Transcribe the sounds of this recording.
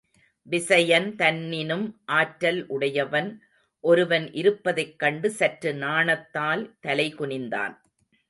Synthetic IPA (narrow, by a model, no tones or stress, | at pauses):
ʋɪsɐjɐnt̪ɐnːɪnɯmʔaːʈɾɐlʔʊɽɐjɐʋɐn | ʔɔɾɯʋɐnʔɪɾɯpːɐðɐɪkːɐɳɖɯsɐʈrɯnaːɳɐt̪ːaːlt̪ɐlɐɪkʊɳɪnd̪a̰ːn